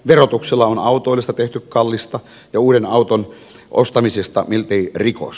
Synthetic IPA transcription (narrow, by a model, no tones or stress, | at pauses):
ʋerot̪ukselːɑonɑut̪ˑoˑilːist̪ɑt̪eht̪ykkɑlːist̪ɑ | jɑuːɾenɑut̪on | ʔo̰st̪ɑmisest̪ɑ̰milt̪eiriko̰s